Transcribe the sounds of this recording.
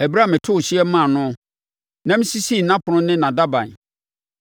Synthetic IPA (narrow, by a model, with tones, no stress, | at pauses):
æ˨bɾa˦˨mɪ̃˨tʰʊ˦˨ɕi˦ɛ˦mã˦˨nʊ̃˦ | nã˦m̩˦si˦si˦˨nã˦pʰʊ˨nʊ̃˦nɪ̃˦nã˨da˦bã̰˨n˨